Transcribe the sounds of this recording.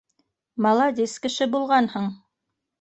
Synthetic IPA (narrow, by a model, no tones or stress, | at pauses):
mɑlˠɑd̪ʲiskɘ̆ʃɘbulˠʁɑnhɤɴ